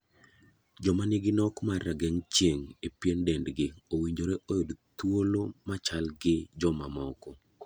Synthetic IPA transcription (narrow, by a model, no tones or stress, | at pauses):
d͡ʒɔmaniɡɪnɔkmaraɡɛŋt͡ʃeŋepjendɛndɡɪowiɲd͡ʒoɾeʔojodt̪wolomat͡ʃalɡɪd͡ʒɔmamɔkɔ